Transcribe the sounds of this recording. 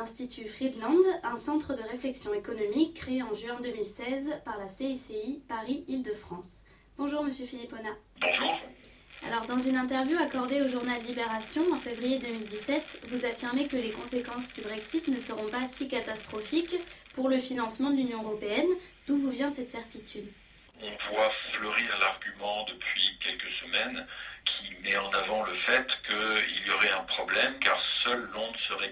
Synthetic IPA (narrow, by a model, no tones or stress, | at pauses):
ɛ̃st̪it̪ʰyfχid̪lɑ̃d̪ɛ̃sɑ̃t̪χəd̪əʁeflɛksjɔ̃ekɔnɔmikːχeeɑ̃ʒyɛ̃d̪ømilsɛzpaʁlaseiseipaʁiild̪əfχɑ̃s | b̥ɔ̃ʒuʁməsjøfilipɔna | a̰lɔʁd̪ɑ̃zynɛ̃t̪ɛʁvjuakɔʁd̪eoʒuʁnalːibeʁasjɔ̃ɑ̃fevʁijed̪ømild̪isɛt̪vuzafiʁmekəlekɔ̃sekɑ̃sd̪ybʁɛksit̪nəsəʁɔ̃pasikat̪ast̪χɔfikpuʁləfinɑ̃smɑ̃d̪əlynjɔ̃øʁɔpeɛnd̪̥uvuvjɛ̃sɛt̪sɛʁt̪it̪ʰyd̪ | ɔ̃vwafləʁiʁlaʁɡʲymɑ̃d̪əpʰɥikʲɛlkəsəmɛnkʲʰimɛɑ̃navɑ̃ləfɛt̪kəḭljɔʁɛɛ̃pχɔblɛmka̰ʁsœlːɔ̃d̪səʁɛ